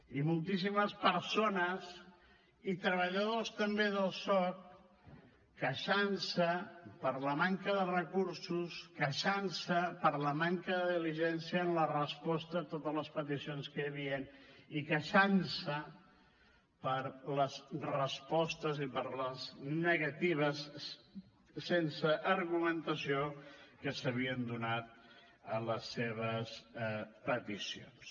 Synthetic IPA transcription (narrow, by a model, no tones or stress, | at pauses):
imulˠt̪is̬iməspəɾsonəz | it̪ɾəβəʎəðost̪əmbeðəlˠsɔk | əʃansəpəɾləmaŋkəðərəkuɾsuskəʃansəpəɾləmaŋkəðəðiliʒɛnsiəːnlərəspɔst̪ət̪ot̪ələspət̪isionskəjəβiənikəʃansə | pəɾləzrəspɔst̪əzipəɾləznəɣət̪iβ̞əs | ensəʔːɾɣumənt̪əsiokəsəβ̞iənd̪unat̪̚ | ələsːeβəspət̪isio̰ns